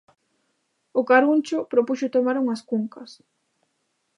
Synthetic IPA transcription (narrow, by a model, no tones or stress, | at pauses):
ʊkaɾunt͡ʃʊpɾopuʃʊt̪omaɾuŋɐskuŋkɐs